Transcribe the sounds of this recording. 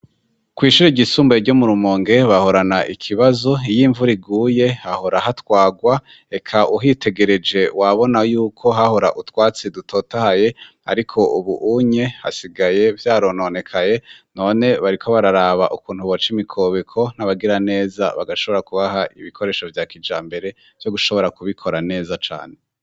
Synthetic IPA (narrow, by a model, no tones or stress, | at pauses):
kwiːʃuɾeɟisuːmboɾɟo̞muɾumoːŋɡe̞βaho̞ɾanaʔikʰiβazo̞ijiːɱvuɾiɡuːje̞haho̞ɾahatwaːɡwa | e̞kʰaʔuɦite̞ɡe̞ɾe̞d͡ʒe̞waβo̞najuːkʰo̞ɦaho̞ɾaʔutwaːt͡sedutʰoːtahaje̞ | a̰ɾikʰo̞uβuʔuɲe̞ha̰siɡaje̞vjaːɾo̞none̞kʰaje̞no̞ːne̞βaɾikʰo̞βaɾaɾaβaʔukuːnhuβot͡ʃimikʰoːβekʰo̞n̥aβaɡiɾane̞ːza̰βa̰ɡaʃo̞βo̞ɾakuβaɦaʔḭβikʰo̞ɾe̞ːʃo̞vjaːkid͡ʒaːmbe̞ɾe̞ | v̥jo̞ɡuʃo̞βo̞ɾakuβikʰo̞ɾane̞ːzat͡ʃa̰ːn̥e̞